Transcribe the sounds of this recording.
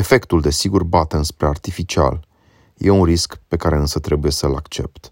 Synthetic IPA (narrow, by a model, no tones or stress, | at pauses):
e̞fe̞kt̪uld̪e̞siɡurbat̪eɨnspɾe̞art̪ifit͡ʃia̰l | jʔe̞unriskpe̞kaɾe̞ɨnsət̪ɾe̞buje̞səlakt͡ʃe̞̰p̚t̪